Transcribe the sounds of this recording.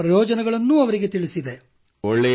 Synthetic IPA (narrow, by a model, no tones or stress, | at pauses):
ɾɐjɔːd͡ʒɐnɛɡɐɭɐnːuːɐʋɐɾiɡe̞t̪iɭisid̪e̞ | ɔɭːɛ